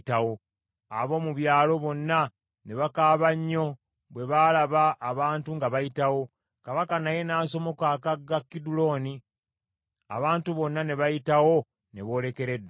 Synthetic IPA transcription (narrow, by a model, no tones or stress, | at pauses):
tawo̞ | a̰βo̞ːmuβjaːlo̞βo̞nːa | ne̞βakaːβaɲːo̞ | βwe̞βalaβaʔːβaːntuŋɡaβajitawo̞ | kaβakanaje̞naːso̞mo̞kakaɡːakːidulo̞ːni | a̰βaːntuβo̞nːane̞βajitawo̞ | ne̞βo̞ːle̞ke̞ɾe̞dːa